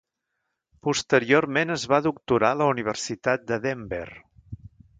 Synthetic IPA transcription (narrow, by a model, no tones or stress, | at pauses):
pust̪əɾioɾmenəzβaðuk̚t̪uɾaləuniβ̞ərsit̪at̪̚d̪əðembɛ̰r